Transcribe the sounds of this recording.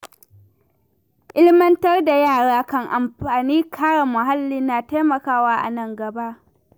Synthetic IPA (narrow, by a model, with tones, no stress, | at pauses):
ʔɪ˦lɪ˦mɐ˦ntɐ˦rda˨jaː˦˨ɽaː˦kɐ˦ŋʔa˨mɸaː˨niː˦kʰaː˦ɽa˨mʊ˨ɦa˦lːi˦nːaː˨ta˦jmɐ˨kaː˦waː˦ʔa̰˨nɐ˦ŋɡɐ˨ba˦ʔ